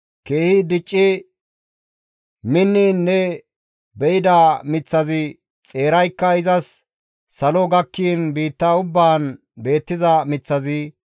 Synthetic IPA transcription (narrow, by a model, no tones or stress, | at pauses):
ke̞ːhɪd̪ɪt͡ʃʼːɪ | mɪnːiːnːɛ | bɛɪd̪ɐmɪt͡sːɐzɪ | t͡sʼe̞ːɾɐjkːɐɪzɐsː | ɐlɔɡɐkːiːnbiːt̪ːaːʊbːaːn | be̞ːt̪ːɪzɐmɪt͡sːɐzɪ